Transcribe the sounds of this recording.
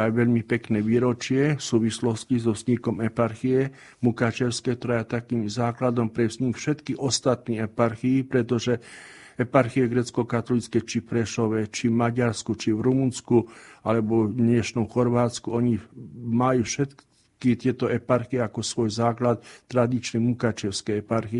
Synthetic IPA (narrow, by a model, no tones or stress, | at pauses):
ajʋɛʎmipɛknɛːʋiːɾɔt͡ʃɪɛfsuːʋislɔscizɔzɲikɔmɛpaɾxiɛ | mukat͡ʃɛʊskɛːkt̪ɔɾajat̪akiːmzaːklad̪ɔmpɾɛzɲikfʃɛt̪kiʔɔst̪at̪niːɛpaɾxiːpɾɛt̪ɔʒɛ | ɛpaɾxiɛɡɾɛːt͡skɔkat̪ɔlit͡skɛt͡ʃifpɾɛʃɔʋɛt͡ʃivmaɟaɾskut͡ʃivɾumunskualɛbɔd̪ɲɛʃnɔmxɔɾʋaːt͡skuɔɲimajufʃɛt̪ | kit̪ɪɛt̪ɔɛpaɾxiɛakɔsʋɔjzaːklat̪ːɾad̪it͡ʃnimukat͡ʃɛʊskɛɛpaɾxiɛ